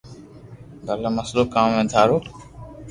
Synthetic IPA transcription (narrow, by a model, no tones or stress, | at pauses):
b̪əlaməsloːkãːmʋẽːd̪ʱaːɾoː